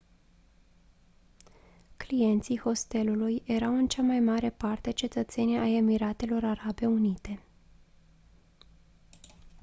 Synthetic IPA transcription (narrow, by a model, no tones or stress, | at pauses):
klije̞nt̪siho̞st̪e̞luluje̞ɾawɨnt͡ʃamajmaɾe̞part̪e̞t͡ʃe̞t̪ət̪se̞nʲaje̞miɾat̪e̞lo̞ɾaɾabe̞unit̪e̞